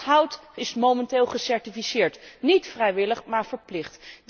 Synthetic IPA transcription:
ɦʌwtɪsmomɛntɪːlˠχəsɛɹtifisɪːɹtnitfrɛjʋɪləχmaːɹvəɹplɪχt

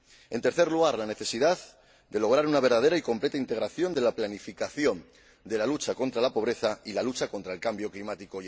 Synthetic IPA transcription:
e̞nt̪e̞ɾθe̞ɾluɣ̞aɾlane̞θe̞siðað | d̪e̞lo̞ɣ̞ɾaɾunaβ̞e̞ɾð̞að̞e̞ɾaikomple̞t̪aint̪e̞ɣɾaθjo̞nd̪e̞laplanifikaθjo̞n | d̪e̞lalut͡ʃako̞nt̪ɾalapo̞βɾe̞θailalut͡ʃako̞nt̪ɾaelkambjo̞klimat̪iko

